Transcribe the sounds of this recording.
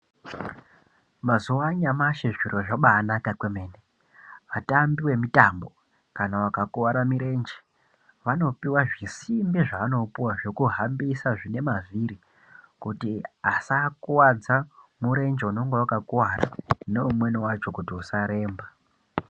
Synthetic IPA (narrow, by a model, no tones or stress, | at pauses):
mazuwaɲamaʃeʐiroʐaɓaːnakakwemeːne | ʋatambiwe̞mitambo̞ | kanawakakuwaɾamiɾe̞ːnd͡ʒe | ʋano̞piwaʐisimbiʐaano̞puwaʐo̞kuɦambisaʐine̞maviɾi | kutiasakwad͡zamuɾe̞nd͡ʒeuno̞ŋɡewakakuwaɾa̰ne̞umwe̞niwat͡ʃo̞kutiusaɾe̞ːmba